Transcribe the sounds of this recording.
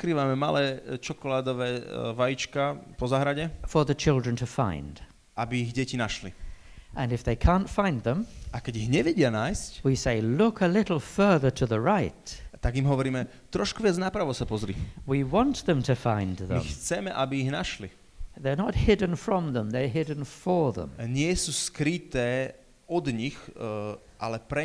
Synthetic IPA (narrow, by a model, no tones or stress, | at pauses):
kɾiːʋamɛma̰lɛːt͡ʃɔkɔlaːd̪ɔʋɛːʋajit͡ʃkapɔzaɦɾaɟɛfə˞ðɨt͡ʃʰɪlˠdɹə̃ntʰɨfã̰ɪ̃nd̥ | ʔabiːɣɟɛcinaʃliʔɨ̃nɨfðeɪkʰæ̃ntfãɪ̃nðə̃mʔakɛɟiɣɲɛʋɛɟɪanaːjscwiseɪlʊkʰəlɪɾl̩ˠfɜ˞ðə˞ɾʰɨðəɹaɪtt̪aɡimɦɔʋɔɾiːmɛ | t̪ɾɔʃkuʋɪad͡znaːpɾaʋɔsapɔzɾḭwiwɑ̃nt̪ðə̃mtʰɨfãɪ̃nðə̰̃mxt͡sɛmɛʔabiːɣnaʃli | ðə˞nət̚hɪdⁿn̩fɹʌ̃mðə̃mðə˞ɦɪdⁿn̩fə˞ðə̰̃mɲɪɛsuːskɾit̪ɛː | ɔd̪ɲix | ʔa̰lɛpɾɛ